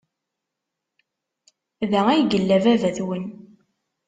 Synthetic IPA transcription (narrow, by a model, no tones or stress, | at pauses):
ðææjɡəlːævævæθwən